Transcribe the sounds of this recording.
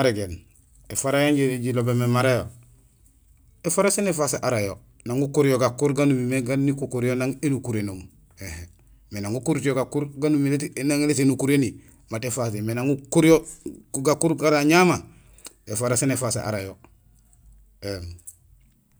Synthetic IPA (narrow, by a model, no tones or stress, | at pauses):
maɾeɡen | efaɾajaɲɟeɾiɟilobememaɾajo | efaɾasenefaseʔaɾajo | naŋɡukuɾijoɡakuɾɡanumimeɡanikukuɾijonaŋenukuɾenoŋ | hehe | menaŋukuɾt͡ʃioɡakuɾɡanumiletnaŋeletenukuɾeni | matefas̬emenaŋukuɾjoɡakuɾɡaɾaɲama | efaɾasenefasḛʔa̰ɾajo | em